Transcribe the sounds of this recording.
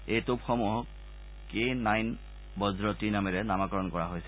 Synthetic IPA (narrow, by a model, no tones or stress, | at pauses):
ejtupxɔmuɦɔk̚ | kenajn | bɔzɹɔtinamɛɹɛnamakɔɹɔnkɔɹaɦojsɛ